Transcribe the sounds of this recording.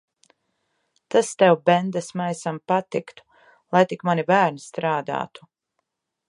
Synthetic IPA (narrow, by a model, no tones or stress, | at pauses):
t̪ast̪ɛwbɛnd̪asmajsampat̪ikt̪u̥ | lˠajt̪ikmanibæːɾnist̪ɾaːd̪a̰ːt̪u̥